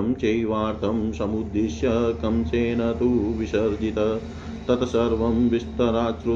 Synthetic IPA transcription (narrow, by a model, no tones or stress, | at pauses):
mt͡ʃɐjʋaːɾt̪ʰɐmsɐmud̪ːiʃjɐkɐmt͡ʃeːnɐt̪uʋiʃɐɾd̪ʱit̪ɐ | t̪ɐt̪ɐsɐɾʋɐmʋist̪ɐɾaːt͡ʃɾu